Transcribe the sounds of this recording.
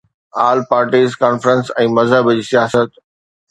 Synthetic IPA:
aːlpaːɾʈiːzkaːnfɾə̃nsɛ̃ːmɐzɦəbd͡ʑiːsijaːsət̪

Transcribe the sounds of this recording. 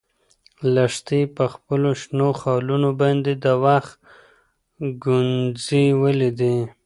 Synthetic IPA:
laʂt̪ipəxpəloʃnoxɑlunobɑnd̪ed̪əwaxt̪ | ɡʊnziwəlid̪i

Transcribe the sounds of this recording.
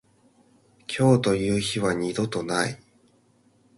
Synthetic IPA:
kʲʰo̞ːt̪o̞jɯ̟ːçiβaɲ̟id̪o̞t̪o̞nai

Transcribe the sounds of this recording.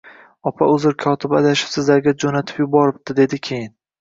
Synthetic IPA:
ɒpʰaɵzɪɾkʰɒt̪ʰɪba̰d̪aʃɪ̥psɪzlaɾɡʲad͡ʒonat̪ʰɪ̥pjʊbɒɾɪp̚t̪ɪd̪e̞d̪ɪkʲʰe̞jɪn

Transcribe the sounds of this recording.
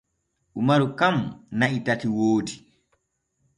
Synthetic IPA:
ʔumaɾukamnaʔitatiwoːdi

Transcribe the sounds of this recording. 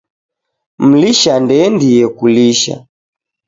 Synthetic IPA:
m̩liʃandɛndijɛkuliʃa̰

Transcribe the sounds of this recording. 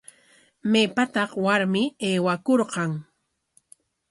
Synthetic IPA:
mepat̪ɑχwaɾmɪeːwakoɾqɑŋ

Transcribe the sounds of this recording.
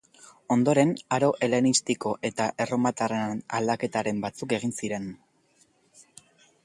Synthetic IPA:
o̞nd̪o̞ɾe̞naɾo̞ʔe̞le̞nist̪iko̞ʔe̞t̪aʔe̞ro̞mat̪arena̰ld̪ake̞t̪aɾe̞mbat͡suke̞ɣ̞insiɾe̞n

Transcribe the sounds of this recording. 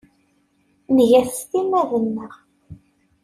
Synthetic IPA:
nəʝæθst̪imæðənːəʁ

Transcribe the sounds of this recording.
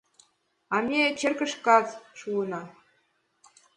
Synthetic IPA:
ɑmnʲet͡ɕerkɘ̆ʂkɑt͡sʃuɤ̆nɑ

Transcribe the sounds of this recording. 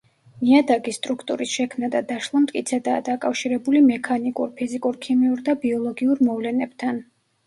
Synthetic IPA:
niad̪aɡist̪ʼɾukʰt̪ʼṵɾisʃɛkʰmnad̪ad̪aʃlˠamt̪ʼkʼit̪sʰɛd̪aːd̪akʼafʃiɾɛbulimɛkʰanikʼṵɾpʰizikʼuɾkʰimiuɾd̪abiɔlˠɔɡiuɾmɔvlɛnɛb̥̚t̪ʰan

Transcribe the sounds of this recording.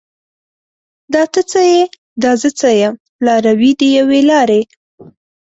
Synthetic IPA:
d̪ɑt̪ət͡səje | d̪ɑzət͡səjam | plɑɾawid̪əjawelɑɾe

